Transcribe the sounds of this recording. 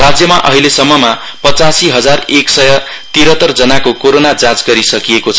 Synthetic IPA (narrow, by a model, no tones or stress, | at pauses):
rad͡zjʌmaʔʌɦilesʌmːʌma | pʌt͡sasiɦʌd͡zareksʌjʌ | t̪iɾʌt̪ʌrd͡zʌnakokoɾonad͡zãd͡zɡʌɾisʌkiekot͡sʰʌ